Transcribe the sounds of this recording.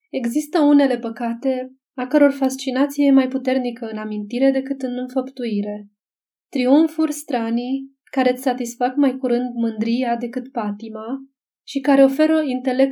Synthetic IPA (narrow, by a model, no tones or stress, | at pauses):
e̞ɡzist̪əune̞le̞pəkat̪e̞ | akəɾo̞rfast͡ʃinat̪sije̞majput̪e̞rnikəɨnamint̪iɾe̞d̪e̞kɨt̪ɨnɨnfəpt̪uiɾe̞ | t̪ɾiuɱfurʲst̪ɾani | kaɾe̞t̪sʲsat̪isfakmajkuɾɨnd̪mɨnd̪ɾiad̪e̞kɨt̪pat̪ima | ʃikaɾe̞o̞fe̞ɾəint̪e̞le̞k̚t̪